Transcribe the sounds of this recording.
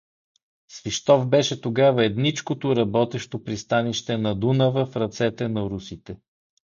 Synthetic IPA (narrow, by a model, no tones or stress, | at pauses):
sviʃt̪ɔfbɛʃɛt̪oɡavɐɛd̪nit͡ʃkot̪oɾɐbɔt̪ɛʃt̪opɾist̪aniʃt̪ɛnɐd̪unəvəfɾɐt̪sɛt̪ɛnɐɾusit̪ɛ